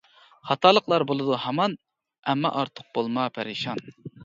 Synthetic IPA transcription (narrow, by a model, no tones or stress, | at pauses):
χɑt̪ʰɑlˠəqlˠɑɾbolˠɨd̪uhɑmɑn | ɛmːɑ̰ʔɑɾt̪ʰəq̚bolˠmɑpʰɛɾiʃɑn